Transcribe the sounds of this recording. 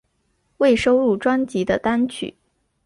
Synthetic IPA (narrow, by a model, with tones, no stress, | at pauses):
we˥˩ɪʂo˥ʊɻu˥˩ʈ͡ʂwa˥nt͡ɕi˧˥d̪ə˧t̪a˥nt͡ɕʰy̰˨˩˦